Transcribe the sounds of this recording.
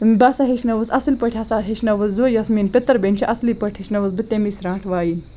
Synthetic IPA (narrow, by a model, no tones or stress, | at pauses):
basaɦeʃnɐʋəsɐsilpəʈʰʲasaɦeʃnɐʋəszojɐsminpʲet̪ːəɾbenʲt͡ʃʰiʔɐsliːpəʈʰiʃnɐʋəsbɨt̪emisɾãːʈʰʋaːjin